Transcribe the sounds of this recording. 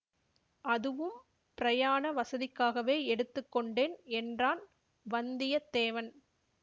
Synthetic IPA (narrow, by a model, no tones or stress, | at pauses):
ʔɐðɯʋɯm | pɪɾɐjaːɳɐʋɐsɐðɪkːaːɣɐʋeːɛɽɯt̪ːɯkːɔɳɖeːnɛndraːn | ʋɐnd̪ɪjɐt̪ːeːʋɐn